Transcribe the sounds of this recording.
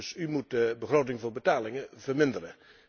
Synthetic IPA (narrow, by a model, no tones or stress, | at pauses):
symut̚dəbəχroːtɪŋvʊːɹbətaːlɪŋəvəɹmɪndərə